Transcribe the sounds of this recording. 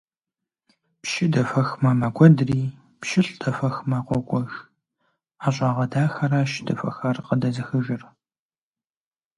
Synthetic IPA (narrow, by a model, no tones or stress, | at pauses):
pʃɪdɐfɐxmɐmɐɡʷɔdriː | pʃɪɬʼd̥ʰɐfɐxmɐqʷɔkʷʼɔʒ | aːɕʼɑːʁɐdaːxɐɾaːʃdɐfɐxɐrqədɐzɨxɨʒɪr